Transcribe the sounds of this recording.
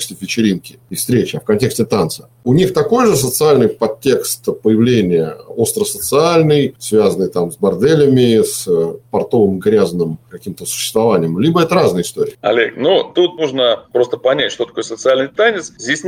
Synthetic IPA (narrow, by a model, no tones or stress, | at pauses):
ksʲt̪ʲɪfʲɪt͡ɕɪɾʲinkʲɪɪst̪ɾʲet͡ɕɐfkɐnʲtʲe̞ksʲt̪ʲɪt̪ant̪sə̥ | ʊnʲixt̪ɐko̞jʐɨs̬ət̪sɨalʲnɨjpɐtʲːe̞kst̪pəjɪvlʲenʲɪjəo̞st̪ɾəsət̪sɨalʲnɨjsvʲazənɨjt̪amzbɐrd̪ɛlʲɪmʲɪspɐrt̪o̞vɨmɡɾʲaznɨmkɐkʲimt̪əsʊ̥ɕːɪ̥st̪vɐvanʲɪjəmlʲibəɛt̪əɾaznɨjəɪst̪o̞ɾʲɪ̰ːɐ̰lʲḛknut̪ut̪̚nuʐnəpɾo̞st̪əpɐnʲætʲʂt̪ot̪ɐ̥kojəsət̪sɨalʲnɨjt̪anʲɪt̪szʲdʲesʲ